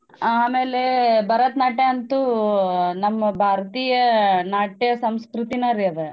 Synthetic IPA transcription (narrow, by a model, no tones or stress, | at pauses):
aːmeːlebʱɐɾɐt̪naːʈeɐnt̪u | nɐmːɐbʱaːɾɐt̪iːjɐnaːʈijɐsɐmskɾut̪inɐɾiɐd̪e